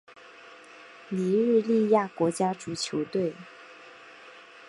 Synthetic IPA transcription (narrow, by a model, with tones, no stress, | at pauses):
li˧˥ɻ̩˥˧li˥˧ja˥˩kwɔ˧˥t͡ɕja˥ʈ͡ʂu˨˩t͡ɕʰjo˧˥ʊt̪we˥˩ɪ